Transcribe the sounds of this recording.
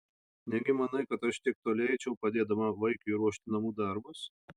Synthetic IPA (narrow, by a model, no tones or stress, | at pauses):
nʲɛɡʲɪmɐnɐɪkɐt̪ɐʃt̪ʲɪɛk̚t̪oːlʲɛɪt͡ʃʲɛʊpɐd̪ʲeːd̪ɐmɐʋɐɪkʊiɾuɔʃʲt̪ʲɪnɐmuːd̪ɑˑɾbʊs